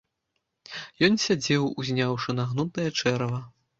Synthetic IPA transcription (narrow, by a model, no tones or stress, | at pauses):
jɔnsʲad͡zʲɛwuzʲnʲawʂɨnaɣnut̪ɐjɐt͡ʂɛɾɐvɐ